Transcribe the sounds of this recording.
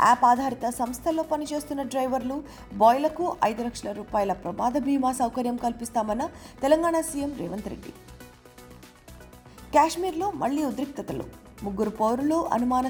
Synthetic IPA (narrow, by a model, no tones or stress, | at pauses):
a̰ːpaːd̪ʱaːɾit̪ɐsɐmst̪ʰɐlːo̞ːpɐnit͡ʃe̞ːst̪unːɐɖɾɐjʋɐɾlu | bɔːjlɐkuʔɐjd̪ulɐkʂɐlɐɾuːpaːjɐlɐpɾɐmaːd̪ɐbʱiːmaːsɐwkɐɾjɐmkɐlpist̪aːmɐnːɐt̪ɛlɐŋɡaːɳasiːjemɾɛ̰ːʋɐnt̪ɾḛɖːḭ | kʲaːʂmiːɾlo̞ːmɐ̰ɭːiːud̪ɾik̚t̪ɐt̪ɐlṵ | muɡːuɾupɐwɾuloːʔɐ̰numaːnɐ